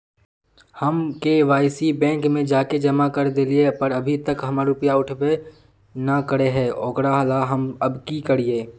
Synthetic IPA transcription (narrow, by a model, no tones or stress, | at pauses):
hɐmkeʋaːɪsibɛ̃ːŋkmẽd͡ʒaːked͡ʒɐmakɐɾd̪eliepɐɾɐbʱit̪ɐkɦɐmaɾʊpəjaʊʈʰbe | nakəɾeɦɛːʔɔːkɽaɦlaɦɐmɐbkikəɽieː